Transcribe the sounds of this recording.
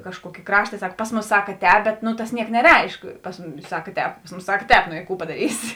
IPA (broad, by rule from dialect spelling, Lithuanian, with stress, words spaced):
kɐʃˈkuɔkʲeː ˈkrɑːʃtɐ ˈsɐk pɐs ˈmuːsɐ ˈsɑːkɐˈtʲɛːp ˈbʲɛt nʊ tɐs ˈnʲiɛk nʲɛˈrʲɛɪʃk pɐs ˈmʊmʲɪs ˈsɑːkɐˈtʲɛːp pɐs ˈmuːsɐ ˈsɐk ˈtʲɛːp noː ɪ ˈkuː pɐdɐˈrʲiːsʲɪ